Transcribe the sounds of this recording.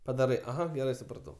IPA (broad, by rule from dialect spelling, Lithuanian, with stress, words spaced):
pɐˈdɑːrɐɪ ɐˈɣɐ ɡʲɛˈrɐɪ sʊprɐˈtɐʊ